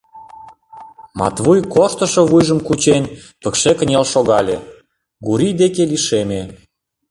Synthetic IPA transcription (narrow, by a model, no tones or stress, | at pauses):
mɑ̰t̪βujkoʃt̪ə̆ʃoβujʒə̆mkut͡ɕenʲpəkʃekə̆nʲelʃoɣɑlʲe | ɡuɾid̪ekeliʃemʲe